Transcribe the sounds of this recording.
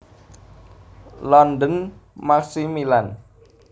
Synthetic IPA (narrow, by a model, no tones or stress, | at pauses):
lɔnd̪ənmaksimilan